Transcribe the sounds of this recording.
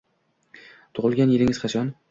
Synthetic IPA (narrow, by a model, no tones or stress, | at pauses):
t̪ʰʊʁɨlˠɡʲanjelɪŋʲɪz̥χɑt͡ʃʰɒn